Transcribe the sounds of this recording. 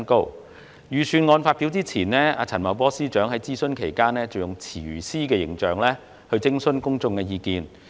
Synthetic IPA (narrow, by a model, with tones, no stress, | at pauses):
nko˥w | jyː˨˩syː˨˧nŋɔː˨˧nfaː˧t̚pi˨˥wt͡siː˥t͡sʰiː˨˩nɛː˥aː˧t͡sʰɐ˨˩nmɐ˨˩wpɔː˥siː˥t͡ʃœː˨˥ŋɦɐ˨˥jt͡siː˥sɵ˥nkʰe˨˩jkaː˥nɛː˥t͡sɐ˨wjʊ˨˩ŋt͡sʰiː˨˩˨siː˥k̬ɛː˧jɪ̰˨˥ŋt͡ʃœː˨ŋlɛː˥ | hɵ˧ɥt͡sɪ˥ŋsɵ˥nkʊ˥ŋt͡sʊ˧ŋkɛː˧jiː˧kiː˨n